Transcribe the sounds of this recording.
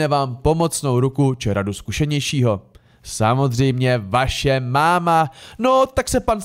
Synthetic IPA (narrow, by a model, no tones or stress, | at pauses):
ɛvaːmpo̞mo̞t͡sno̞wɾukut͡ʃɪɾaduskuʃɛɲɛjʃiːɦo̞ | samo̞zr̝ɛjmɲɛvaʃɛmaːmanot̪aksɛpan